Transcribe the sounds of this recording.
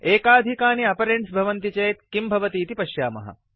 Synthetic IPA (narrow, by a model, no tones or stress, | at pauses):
eːkaːd̪ʱikaːniɐpɐɾeɳʈsbʱɐʋɐnt̪it͡ʃɐjt̪kimbʱɐʋɐt̪iːt̪ipɐʃjaːmɐ̰ɦɐ̰